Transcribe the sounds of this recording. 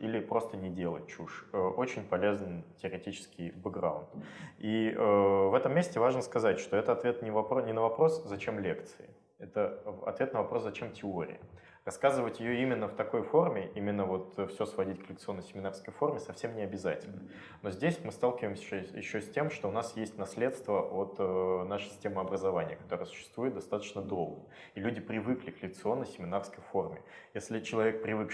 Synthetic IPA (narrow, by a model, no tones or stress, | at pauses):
ilʲɪpɾo̞st̪ənʲɪdʲe̞lˠə̰t̚ʲt͡ɕuʂəʔo̞t͡ɕɪnʲpɐlʲe̞znɨtʲɪəɾʲɪtʲit͡ɕɪ̥skʲɪjbɨɡɾa̰ʊ̰nt̪iəvɛt̪əmːʲesʲtʲɪvaʐnəskɐzatʲʂt̪o̞ɛt̪əɐt̪vʲet̪nʲɪvɐpɾonʲɪnəvɐpɾo̞szɐt͡ɕe̞mlʲe̞kt̪sɨɪ̰ | ɛt̪əɐ̰t̪vʲe̞t̪nəvɐpɾo̞szɐt͡ɕe̞mtʲɪo̞ɾʲɪ̰jə | rɐskazɨvətʲjɪjo̞imʲɪnːəft̪ɐko̞jfo̞rmʲɪʔimʲɪnːəvo̞t̪fsʲosvɐdʲit̚ʲkəlʲɪk̚t̪sɨo̞nːəjsʲɪmʲɪnarskəjfo̞rmʲɪsɐfsʲemnʲɪɐbʲɪza̰tʲɪlʲnə | no̞zʲdʲesʲmɨst̪alˠkʲɪvəjmsʲjɪɕːosʲtʲe̞mʂt̪o̞ʊnasjesʲtʲnɐslʲe̞t̪st̪vəot̪ːnaʂɨjsʲɪtʲemɨɐbɾəzɐvanʲɪ̰jəkɐ̥t̪o̞ɾəjəsʊ̥ɕːɪ̥st̪vujɪt̪d̪ɐst̪at̪ə̥t͡ɕnəd̪ɾolˠɡə̰ | ilʲudʲɪpɾʲɪvɨklʲɪklʲɪk̚t̪sɨo̞nːəjsʲɪmʲɪnarskəjfo̞rmʲɪ̰jesʲlʲɪt͡ɕɪlˠɐvʲe̞k̚pɾʲɪvɨk